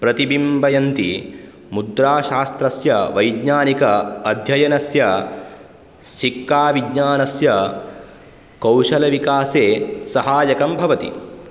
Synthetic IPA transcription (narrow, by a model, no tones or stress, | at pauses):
pɾɐt̪ibimbɐjɐnt̪i | mud̪ɾaːʃaːst̪ɾɐsjɐʋɐjdɲaːnikɐːd̪ʱjɐjɐnɐsjɐ | sikːaːʋiɡɲaːnɐsjɐ | kɐwʃɐlɐʋikaːseːsɐɦaːjɐkɐmbʱɐʋɐt̪ḭ